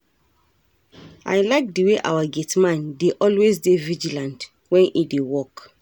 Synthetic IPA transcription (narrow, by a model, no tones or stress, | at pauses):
a̰jlaɪk̚diweʔa̰waɡetmãndeʔɔlwezdevid͡ʒilãnt | wɛ̃nidewɔk